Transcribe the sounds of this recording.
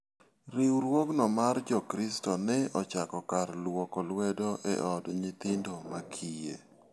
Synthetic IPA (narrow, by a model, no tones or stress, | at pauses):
ɾiwɾwoknɔmard͡ʒɔkɾistɔnɛɔt͡ʃakɔkarlwokɔlwɛdɔʔɛ̰ʔɔdɲit̪ɪndomakʰijḛ